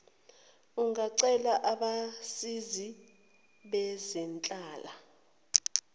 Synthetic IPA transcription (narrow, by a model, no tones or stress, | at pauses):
uŋaǀɛlaʔaɓasizi | ɓɛzɛnt͡ɬʼaːla